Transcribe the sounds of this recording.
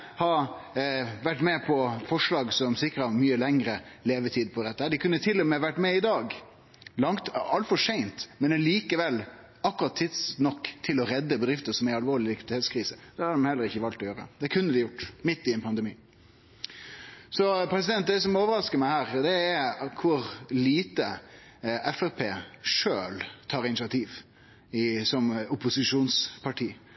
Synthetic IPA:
hɑɾ | ʋæʈːmɛpʰɔfɔʂlɑːɡsɔmsɪkɾəɑmyːəlɛŋɾəleːʋət̪ʰiːd̪pʰɔd̪ɛt̪ːəhæːɖɪkʰʉnːət̪ʰɪlːɔmɛʋæʈːmɛɪd̪ɑːɡ | lɑŋt̪ɑlt̪fɔʂæɪnt̪mɛnɛliːkəʋɛlː | ɑkːʉɾɑt̪ʰːɪd̪snɔkːt̪ʰɪlɔɾɛd̪ːəbəɛd̪ɾɪft̪əʂɔmæɑlʋoːɾɭɪlɪkʋɪd̪ɪeːt̪skʰɾiːsəd̪̥ɛhɑd̪əmɑhɛlːəɾɪçːəʋɑːlt̪ɔjøːɾə̰d̪̥ɛkʰʉnːəd̪ɪjʊʈːmɪt̪ːɪɛnpʰɑnd̪ɛmiː | sɔpɾɛs̬ɪd̪ɛnt̪̚d̪ɛsɔmoːʋəɾɑskəmæɪhæːɾd̪ɛːɾkʰʊɾliːt̪ə | ɛfɛpʰeːʂøːlt̪ʰɑːɾɪnɪsɪɑt̪ʰiːʋ | ɪsɔmʊpʊsɪʂuːnspʰɑʈʰiː

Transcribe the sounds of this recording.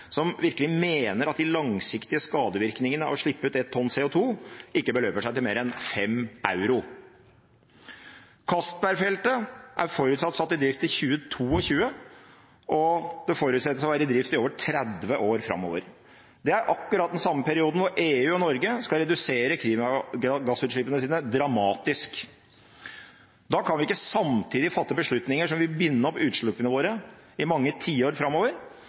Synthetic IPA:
sɔmʋɪɾkəlɪmeːnəɾɑt̪̚d̪ɪlɑŋsɪkt̪ɪəskɑːd̪əʋɪɾknɪŋənəɑ̰ʋʂɭɪpːəʉːt̪ɛt̪ʰːɔnseːʊt̪ʰuːɪkːəbəløːpəʂæɪt̪ɪlmeːɾɛnfɛmʔɑ̰ʉɾʊ | kʰɑst̪̚bæɾfɛlt̪əʔæɾfɔɾʉːt̪sɑt̪ːsɑt̪ːɪd̪ɾɪft̪ɪçʉːət̪ʰuːɔçʉːə | ʔɔd̪ɛfɔɾʉːt̪sɛt̪ːəsɔʋæːɾəd̪ɾɪft̪ɪoːʋəʈʰɾɛd̪ʋəʔoːɾfɾɑ̰mo̰ːʋə̰ɾ | d̪ɛæɾʔɑkːʉɾɑt̪̚d̪ɛnsɑmːəpʰæɾɪuːd̪n̩ʋʊɾeːʉːɔnɔɾɡəskɑɾɛd̪ʉseːɾəkʰɾiːmɑɡɑsʉːt̪ʂɭɪpːənəsiːnəd̪ɾɑmɑːt̪ɪsk | d̪ɑkʰɑnʋɪɪkːəsɑmt̪ʰiːd̪ɪfɑt̪ːəbəʂɭʉt̪nɪŋəʂɔmʋɪbʏnːəɔpːʉːt̪ʂɭʉpːənəʋoːɾəɪmɑŋːət̪ʰiːəoːɾfɾɑmːoːʋəɾ

